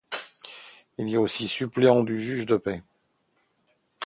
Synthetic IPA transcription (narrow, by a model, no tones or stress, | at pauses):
iliaosisypleɑ̃d̪yʒyʒd̪əpɛ